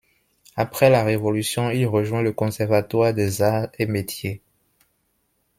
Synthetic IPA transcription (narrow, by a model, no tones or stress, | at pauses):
apχɛlaʁevolysjɔ̃ilʁəʒwɛ̃ləkɔ̃sɛʁvat̪waʁd̪ɛzaemet̪je